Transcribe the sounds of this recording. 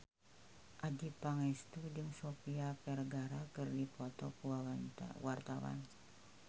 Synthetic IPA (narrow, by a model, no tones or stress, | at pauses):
ʔadipaŋɛst̪udɨŋsopiapɛrɡaɾakɨrdipɔt̪ɔkuwawan̰wart̪awa̰n